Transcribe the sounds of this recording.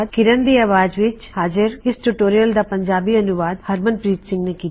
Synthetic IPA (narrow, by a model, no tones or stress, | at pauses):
d̪̚kɪɾənd̪iɐːʋaːd͡ʒʋɪt͡ʃhaːd͡ʒɪɾɪsʈuʈoːɾijəld̪apɐ̃ɲd͡ʒaːbiɐnʊʋaːd̪hɐɾmənpɾiːt̪sɪ̃ŋɡnekiː